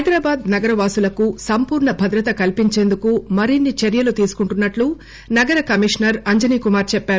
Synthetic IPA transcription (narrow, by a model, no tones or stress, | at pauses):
jd̪ɾaːbaːd̪nɐɡɐɾɐʋaːsulɐkusɐmpuːɾɳɐbʱɐd̪ɾɐt̪ɐkɐlpiɲt͡ʃe̞ːnd̪ukumɐɾinːit͡ʃeɾjɐlut̪iːsu̥kuɳʈunːɐʈlu | nɐɡɐɾɐkɐmiʂnɐɾɐɲd͡ʒɐniːkumaːɾt͡ʃɛpːaːɾu